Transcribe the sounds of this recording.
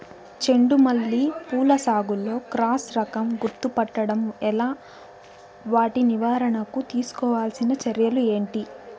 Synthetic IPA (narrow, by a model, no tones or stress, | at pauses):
t͡ʃe̞ɳɖumɐlːipuːlɐsaːɡulːo̞ːkɾaːsɾɐkɐmɡuɾt̪upɐʈːɐɽɐmɛlaː | ʋaːʈiniʋaːɾɐɳɐkut̪iːsu̥kɔːʋaːlsinɐt͡ʃɐɾjɐlue̞ːɳʈi